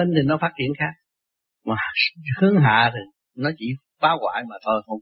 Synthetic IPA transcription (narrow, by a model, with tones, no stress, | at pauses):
e˧nt̪ʰi˨˩nɔ˨˦faː˦˥t̚t͡ɕḭ˧˨ənxaː˦˥k̚ | maː˨˩hɨ˨˦˥əŋɦa̰ː˧˨t̪ʰi˨˩ | nɔ˨˦t͡ɕḭ˧˥ | faː˨˦wɣwa̰ː˧˩jmaː˨˩t̪ʰo˧jxə˧wŋ͡m